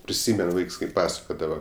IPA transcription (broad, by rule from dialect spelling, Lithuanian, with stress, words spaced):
pʲrʲɪˈsʲiːmʲɛn ˈʋɐɪks kɐɪ ˈpɑːsɐkoːdɐʋɐ